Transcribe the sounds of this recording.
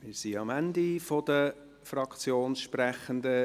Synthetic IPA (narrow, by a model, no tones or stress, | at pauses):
mɪːɾsiɑmænd̪ifod̥̪ə | frɑkʰt͡sjoːnsʃpræχəndə